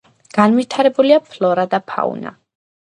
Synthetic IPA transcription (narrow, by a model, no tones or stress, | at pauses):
ɡ̥anvit̪ʰaɾɛbuliapʰlɔɾad̪apʰa̰ṵna̰